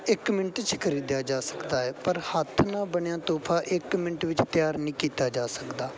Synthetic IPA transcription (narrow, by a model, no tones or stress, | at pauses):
ɪkmɪnəʈt͡ʃkəɾiːd̪jaːd͡ʒaːsə̥kd̪aːɛːpəɾhət̪ʰːnaːbəɳjãːt̪oːpʰaːʔɪkmɪnəʈʋɪt͡ʃt̪jaːɾnĩːkiːt̪aːd͡ʒaːsəkd̪aː